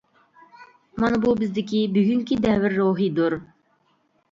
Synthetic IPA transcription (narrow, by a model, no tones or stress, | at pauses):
mɑnbubɪzd̪ikʲibyɡyŋkʲid̪ævɪɾːoːɦid̪uɾ